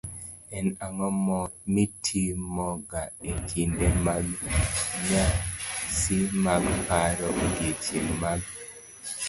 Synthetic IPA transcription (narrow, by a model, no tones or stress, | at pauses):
ɛnaŋɔmɔmitʰimɔɡaekʰindemaɡ | ɲasimaɡpaɾɔɡit͡ʃiŋmaɡ̚